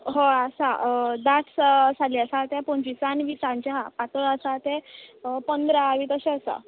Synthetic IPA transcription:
ɦoəsad̪aʈssaliəsat̪ɛpɔɲt͡ɕisanʋisãɲt͡ɕaɦapat̪əɭəsat̪ɛpənd̪ɾaʋiːt̪əɕeəsa̰

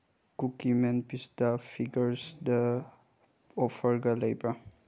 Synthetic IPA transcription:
kukimɛnpisdapʰiɡəɾsdə | ɔfʰəɾɡalejbɾa

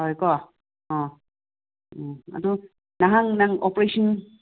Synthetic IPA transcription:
ɔjkɔ | ɔ̃ | a̰du | naɦaŋnaŋɔpɾesɔn

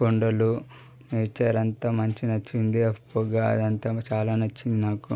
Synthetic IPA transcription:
koɳɖɐlu | neːt͡ʃaːɾɐnt̪amɐɲt͡ʃinɐt͡ʃːind̪iɐpːoɡaːɐ̰d̪ɐnt̪at͡ʃaːlaːnɐt͡ʃːind̪inaːku

